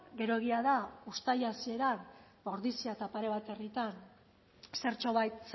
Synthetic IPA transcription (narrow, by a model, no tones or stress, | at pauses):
ɡe̞ɾo̞ɣiaðaust̪ajasie̞ɾanbo̞ɾðisiat̪apaɾe̞β̞at̪e̞rit̪an | se̞ɾt͡ʃo̞βajt̪